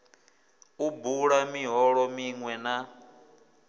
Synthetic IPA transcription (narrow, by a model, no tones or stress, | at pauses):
ubuɺamiɦɔɺɔmiŋwɛna